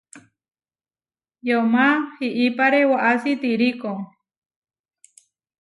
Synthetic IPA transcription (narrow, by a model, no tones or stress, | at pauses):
jomahiʔipaɾewaʔasit̪iɾikoŋ